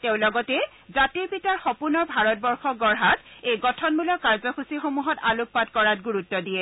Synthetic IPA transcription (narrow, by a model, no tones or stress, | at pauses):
teʊ̃lɔɡɔtɛ | zatiɹpitaɹxɔpuɹnɔɹbʱaɹɔt̚bɔɹxɔɡɔɹɦatejɡɔtʰɔnbulɔkːaɹzɔxusixomuɦɔtaluppːatkɔɹatɡuɹutːɔdijɛ